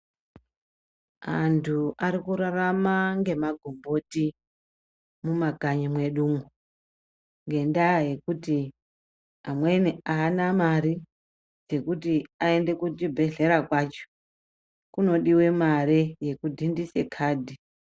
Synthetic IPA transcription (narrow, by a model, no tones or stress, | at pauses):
antʰuʔaɾikuɾaramaŋɡe̞maɡʱombo̞ti | mumaɡʱaɲimwe̞ɗuːŋu | ŋɡe̞ndaje̞kuti | amwe̞niaːnamaɾi | d͡ze̞kutiae̞nde̞kutibʱe̞ɮe̞ɾakwat͡ʃo̥ | kuno̞ɗiwe̞maɾeje̞kudʱindise̞kʰaːdʱi